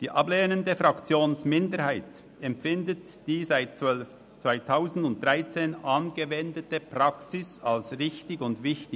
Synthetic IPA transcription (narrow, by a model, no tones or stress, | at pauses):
d̥iːʔɑbleːnəndəfʁakt͡sjoːnsmɪndəɾhaɪt | ɛmfɪndət | d̥iːzaɪt | t͡svaɪtʰaʊzn̩dʊnt̚d̥ʁaɪt͡seːnɑnɡəvɛndətəpʁ̥aksɪsalsʁɪçtɪçʊndvɪçtɪ